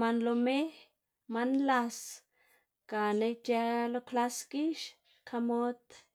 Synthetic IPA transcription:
manlomeh | manlas | kanet͡ʃalokʰlaskiʃ | kʰamot̪

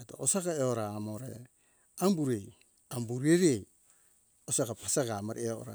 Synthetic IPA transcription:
eto̰osaɡaeoɾaːmoɾḛ | ambuɾej | ambuɾieɾej | osaɡapasaɡamaɾeoo̰ɾa̰

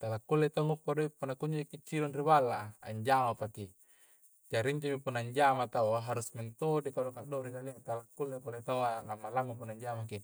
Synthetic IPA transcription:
t̪alakːulːet̪aŋupːadoipunːakuɲd͡ʒaikit͡ʃːiɾonribalːa̰ːɲd͡ʒamapaki | d͡ʒaɾiɲd͡ʒomipunːaɲd͡ʒamat̪auaɦaɾusment̪odekadokadoɾinaliat̪alakːulːekulet̪auanamːalaŋupunaɲd͡ʒamaki

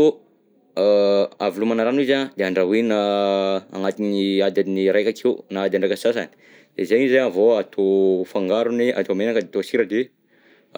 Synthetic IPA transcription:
o | avilumanaɾanizad̪eaɳɖ͡ʐaɦinaa̰ŋat̪iniad̪ad̪iniɾejkakʰewnaad̪aɳɖ͡ʐakəsas̬a̰ni̥ | d̪̥ezeɲizaavoat̪ʰofaŋɡaɾuneʔa̰t̪omenakəd̪et̪osiɾəd̪e

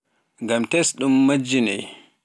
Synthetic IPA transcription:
ŋɡamtɛsɗumːad͡ʒːinɛ̰j

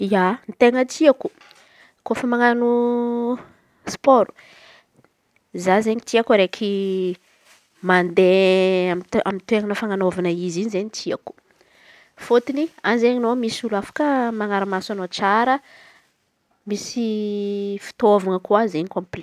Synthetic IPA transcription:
janit̪eŋət̪iaku̥ | kofəmaŋanu | spoɾu̥ | zazeɲit̪iakɾekʰi | mand̪eaa̰mint̪weŋanəfaŋanovanəizinizeɲit̪ʰiaku̥ | fot̪inianzeɲinomisulafḁkəmaŋaɾamasanot͡saɾə | misi | fi̥t̪ovaŋəkuazeɲikõmpl

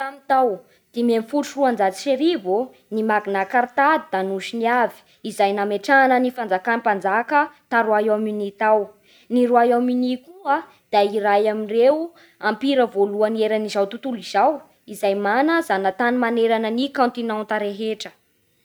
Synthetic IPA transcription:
t̪amit̪aw | d̪̥ememfuʃruand͡zat͡si̥ʃeɾivu | nimaɡinakaɾt̪ad̪id̪anuʃiniavi̥ | izajnameʈ͡ʂanənifand͡zakanipand͡zakət̪aɾuajaminit̪aw | niɾuajaminikua | d̪̥aiɾajaminrew | ampiɾəvoluənieɾanizawt̪ut̪uliz̥aw | izajmanəzanat̪animaneɾanənikãnt̪inant̪aɾeɦeʈ͡ʂə̥

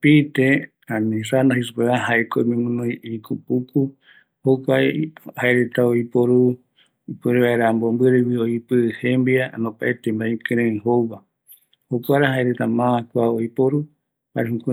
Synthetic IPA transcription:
pit̪e | ãnĩsanaɦis̬upeβaɦaekoimĩmũnũikʰupuku | hokʷajhaeɾet̪aoipoɾu | ipɨɾeβaeɾambombɨɾewioipɨhembianõpaʔet̪embaĩkɨɾẽĩɦowβa | hokʷaɾaɦaeɾet̪amãakʷaoipoɾu | ha̰ɾeɦuk

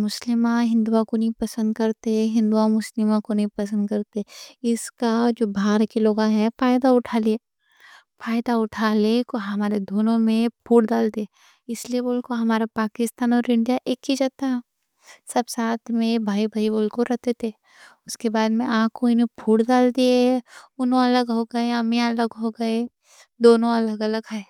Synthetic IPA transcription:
mʊslɪmãɦɪ̃nd̪uakonɐɦĩpɐsə̃nd̪kɐɾt̪eɦɪ̃nd̪uamʊslɪmãkonɐĩpɐsə̃nd̪kɐɾt̪eɪskad͡ʒoːbʱaːɾkiloːɡãɦɛ̃faːɪd̪aʊʈʰaːle | faːɪd̪aʊʈʰaːlekoɦɐmaːɾed̪ʱoːnõmẽpʰuːɽd̪aːld̪eː | ɪslieboːlkoɦɐmaːɾapaːkɪst̪aːnɔːɾɪ̃ɳɖijaʔeːkːid͡ʒaːt̪aɦɛ̃ | sɐbsaːt̪ʰmẽbʱaːibʱəiboːlkoɾɐt̪et̪ʰe | ʊskebaːd̪mẽãːkʰoinẽpʰuːɽd̪aːld̪ieʊnɦõɐləɡɦoɡɐeɐmjaɐləɡɦoɡɐe | d̪oːnõɐləɡɐləɡɦɛ

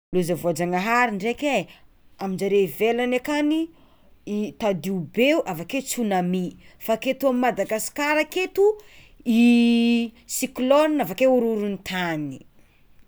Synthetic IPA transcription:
luzavoad͡ʒaŋaɦaɾiɳɖ͡ʐeke | amind͡ʒaɾevelanakani | it̪ad̪iubeuʔavaket͡sunamifaket̪uamimad̪aɡasi̥kaɾaket̪u | i | siklɔnavakeuɾuɾunt̪ʰani̥

